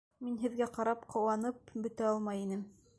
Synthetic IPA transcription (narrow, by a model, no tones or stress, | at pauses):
minɦɘ̆ðɡæqɑɾɑpqʰɤ̆wɑnɤp̚bɵ̆t̪æɑlˠmɑjinɘm